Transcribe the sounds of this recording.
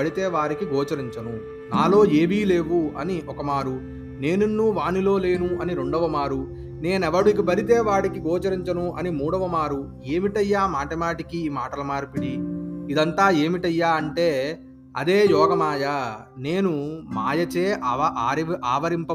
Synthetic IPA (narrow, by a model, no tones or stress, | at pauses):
ɐɽit̪eːʋaːɾikiɡɔːt͡ʃɐɾiɲt͡ʃɐnu | naːlo̞ːeːʋiːle̞ːʋuɐ̰niɔkɐmaːɾu | ne̞ːnunːuːʋaːnilo̞ːle̞ːnuʔɐniɾe̞ɳɖɐʋɐmaːɾu | ne̞ːnɛʋɐɽukibɐɾit̪eːʋaːɽikiɡɔːt͡ʃɐɾiɲt͡ʃɐnuʔɐnimuːɽɐʋɐmaːɾu | e̞ːmiʈɐjːaːmaːʈɐmaːʈikiːmaːʈɐlɐmaːɾpiɽiid̪ɐnt̪aːe̞ːmiʈɐjːaːɐɳʈe̞ː | ɐ̰d̪e̞ːjɔːɡɐmaːjɐ | ne̞ːnumaːjɐt͡ʃeːɾʔaːʋɐɾimpɐ